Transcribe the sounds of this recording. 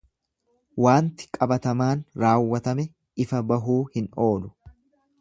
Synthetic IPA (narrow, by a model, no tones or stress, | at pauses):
waːnt̪ɪ̥kʼɐbɐt̪ɐmaːnɾaːwːɐt̪ɐmɛ | ɪfɐbɐɦuːhɪnʔo̞ːlʊ̥